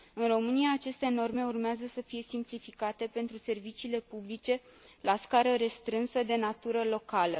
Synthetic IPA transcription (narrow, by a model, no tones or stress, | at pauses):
ɨnro̞mɨnijaːt͡ʃe̞st̪e̞no̞rme̞urmeazəsəfije̞simplifikat̪e̞pe̞nt̪ɾuse̞rvit͡ʃiːle̞publit͡ʃe̞laskaɾəɾe̞st̪ɾɨnsəd̪e̞nat̪uɾəlo̞kalə